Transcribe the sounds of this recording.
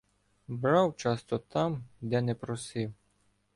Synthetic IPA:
bɾɑwt͡ʃɑst̪ɔt̪ɑmd̪ɛnɛpɾɔsɪw

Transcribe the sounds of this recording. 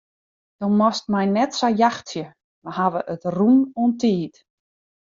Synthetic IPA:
d̥ɔnmɔstmɛjnɛtsajaxtsjə | mahaʋəʔətrunuəntʰiːt

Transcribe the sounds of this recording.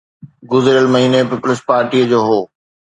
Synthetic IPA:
ɡʊzɪɾəlmɐɦiːnepiːpʊlɪspaːɾʈiːəd͡ʑoːɦoː

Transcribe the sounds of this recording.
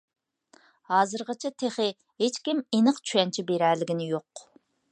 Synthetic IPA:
hɑːzɨɾʁət͡ʃʰɛt̪ʰeχɪ | ɦet͡ʃkʲimenɨqt͡ʃʰyɛnt͡ʃʰɛbeɾɛlɪɡʲɪnɪjoq

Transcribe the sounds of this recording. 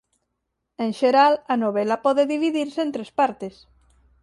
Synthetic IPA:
ẽŋʃeɾalɐnoβ̞elɐpɔðeðiβiðiɾseent̪ɾespaɾt̪es

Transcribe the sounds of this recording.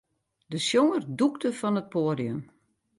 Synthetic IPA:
dəsjoŋərduktəfɔnət̚poədiəm

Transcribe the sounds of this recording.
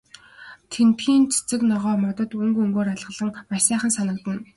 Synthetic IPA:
t̪ʰent̪ɡiːnt͡sʰe̥t͡sɘ̆knɔʁɔːmɔt̪ɞ̆t̪ɵŋɡɵŋɡoːɾaɮʁə̆ɮə̆ŋmaʃsæːχə̆nsanə̆kt̪ə̆n

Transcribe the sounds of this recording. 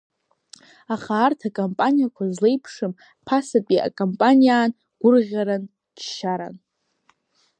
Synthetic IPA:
aχaːrtʰakʼompʼanijakʷʰazle̞jpʰʂɨm | pʰasatʼia̰kʼompʼanijaːn | ɡ̥ʷʊrʁʲaɾan | d͡ʒʃaɾa̰n

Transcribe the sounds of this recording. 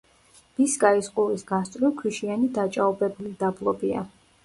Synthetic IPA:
b̥iskʼaisqʼuɾisɡast̪ʼɾikʰwiʃianid̪at͡ʃʼaɔbɛbulid̪ablˠɔbia̰

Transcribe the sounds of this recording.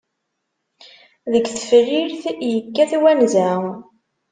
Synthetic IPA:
ðəkθə̥fɾiɾθjəkːæθwænzæ

